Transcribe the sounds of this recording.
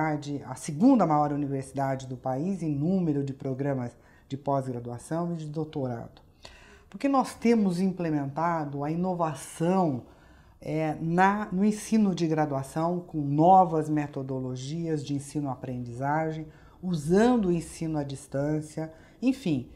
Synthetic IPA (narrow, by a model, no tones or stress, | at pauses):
ad͡ʒɪɐ̰sɪɡũnd̪ɐmajɔɾuniveɾsid̪ad͡ʒɪd̪ʊpaizẽj̃nũmeɾʊd͡ʒɪpɾoɡɾɐ̃mɐz | d͡ʒɪpɔzɡɾad̪uasɐ̃w̃ɪd͡ʒɪd̪owt̪oɾa̰d̪ʊ | pʊɾkenɔst̪ẽmʊzĩplemẽnt̪ad̪ʊɐĩnovasɐ̃w̃ | ɛnɐnʊẽsĩnʊd͡ʒɪɡɾad̪uasɐ̃w̃kõw̃nɔvɐzmet̪od̪oloʒiɐzd͡ʒɪẽsĩnʊapɾẽnd͡ʒizaʒẽj̃ | uzɐ̃nd̪ʊʊẽsĩnʊad͡ʒist̪ɐ̃siɐ | ẽj̃fĩ